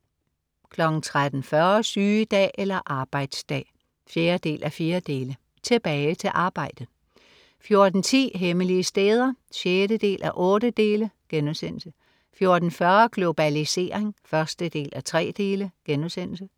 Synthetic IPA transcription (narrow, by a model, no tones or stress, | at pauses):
kʰlɒ̽ɡ̥n̩t͡sʰʁad̥n̩fɶɐsyːd̥ɛ̰ːʔelɐʔɑ̈ːb̥ɑ̈ɪd̥sd̥ɛ̰ː | fjeːɐd̥e̝̰ːlʔæfiːɐd̥e̝ːlə | t͡sʰe̝b̥ɛːɪt͡sʰe̝lʔɑ̈ːb̥ɑ̈ɪ̰d̥əðˠ | fjo̝ɐd̥n̩t͡sʰḭːɦeməliəsd̥eːð̞ˠɐɕjeːɾəd̥e̝̰ːlʔæʔɔ̽ːdəd̥e̝ːləɡ̥enusen̰l̩sə | fjo̝ɐd̥n̩fɶɐɡ̥lo̝b̥ælise̝̰ːʁeŋfɶɐsd̥əd̥e̝̰ːlʔæt͡sʰʁɛ̰ːd̥e̝̰ːləɡ̥enusen̰l̩sə